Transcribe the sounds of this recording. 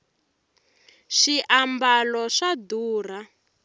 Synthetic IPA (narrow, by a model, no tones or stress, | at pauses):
ʂiʔambalɔʂaduːr̤a